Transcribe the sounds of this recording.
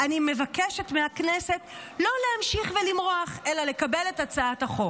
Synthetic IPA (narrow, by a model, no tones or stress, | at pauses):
ʔanime̞vakeʃetmeaknese̞t | lo̞lehamʃiχvelimʁoaχelale̞kabele̞tat͡saathaχo̞